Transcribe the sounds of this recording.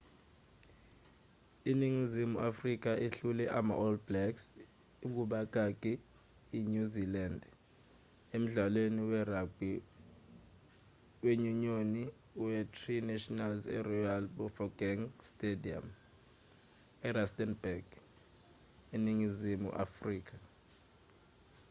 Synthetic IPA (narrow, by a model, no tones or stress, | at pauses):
iniŋizimuafrik̬aʔiɬulɛʔama̰ʔɔlblɛks | uk̬uɓak̬ʼakʼiː | ɲuziland | em̩ɮaleniwɛɾab̥ʱi | weɲuɲoni | wɛtʰʼrinɛʃɔnalzɛ̰rɔjalɓɔfɔɡ̥ɛŋstʼedia̰m | ɛɾastɛnbɛɡ̥ | iniŋizimṵʔa̰friːk̬a